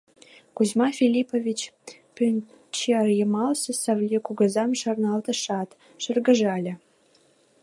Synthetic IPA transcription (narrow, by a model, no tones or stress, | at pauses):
kuzmɑfʲilʲipovʲit͡ɕ | pynʲ | t͡ɕʰeɑrjəmɑlsɤ̆sɑvlʲikuɡɤ̆zɑmʃɑ̆rnɑlt̪ə̆ʃɑt̪ | ʃə̆rɡə̆ʒɑlʲə̆